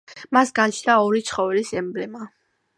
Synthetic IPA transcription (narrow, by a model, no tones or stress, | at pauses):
masɡant͡ʃʰnaɔɾit̪sʰχɔvɛlisɛmblɛma